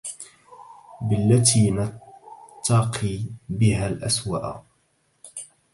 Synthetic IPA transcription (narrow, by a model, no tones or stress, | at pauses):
bɪlːat̪iːnɑt̪ːɑqʰibɪɦaːlʔaswa̰ːʔ